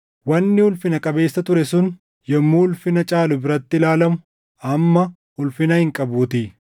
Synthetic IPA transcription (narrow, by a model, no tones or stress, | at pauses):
wɐnːɪʊlfɪnɐkʼɐbe̞ːsːɐt̪ʊɾɛsʊn | jɛmːuːʊlfɪnɐt͡ʃʼaːlʊbɪɾɐt̪ːɪlaːlɐmʊ | ɐmːɐ | hʊlfɪnɐhɪŋkʼɐbuːt̪iː